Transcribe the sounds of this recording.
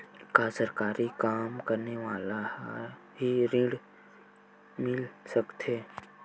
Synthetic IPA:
kasəɾkaːɾikaːmkəɾneʋaːla | ɦiɾɪ̃ɽ | mɪlsəkt̪ʰeː

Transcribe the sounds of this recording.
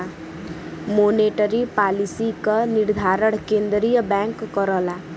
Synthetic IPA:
moneʈɔɾipalisikɔniɾd̪ʱaɾɔɽ̃kend̪ɾijɔbaŋkːɔɾɔla

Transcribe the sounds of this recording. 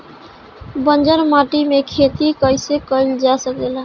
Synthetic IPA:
bənd͡ʒəɾmaʈimekʰet̪ikəjsekəld͡ʒasək̚d̪ela

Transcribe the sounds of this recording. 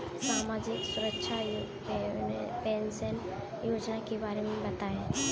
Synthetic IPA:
saːmaːd͡ʒɪksʊɾəkʃʰajo | eʊnḛpeːnsən | joːd͡ʒnakebaːɾemẽbɐt̪aːe

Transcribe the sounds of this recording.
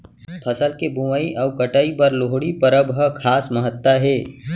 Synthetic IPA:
pʰəsəlkebʱuməiʔɔːkəʈəipəɾloɦɽipəɾəbɦəkʰaːsməɦət̪ːwaɦeː

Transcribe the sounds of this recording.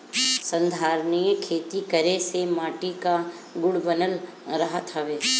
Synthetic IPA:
sə̃nd̪ʱaːɾnijəkʰeːt̪ikəɾesemaːʈika | ɡʊɽbənəlɾɐɦət̪ɦəʋeː

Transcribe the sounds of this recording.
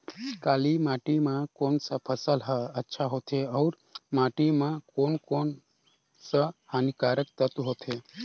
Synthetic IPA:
kaːlimaːʈimãkoːnsapʰəsəlɦəətːʃʰaɦot̪ʰeɐwɾ | maʈimãkoːnkon | səhaːnikaːɾək̚t̪ət̪uɦot̪ʰe

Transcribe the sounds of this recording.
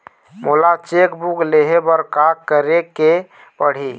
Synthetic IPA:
molat͡ʃekbukleɦebəɾkakəɾeke | pəɽ̤i

